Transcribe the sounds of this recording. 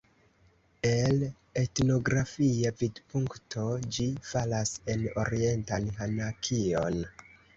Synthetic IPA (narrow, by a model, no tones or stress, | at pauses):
e̞l | e̞tno̞ɡɾafiavidpuŋktʰo̞d͡ʒifalase̞no̞̰ɾie̞ntanɦanakʰio̞̰n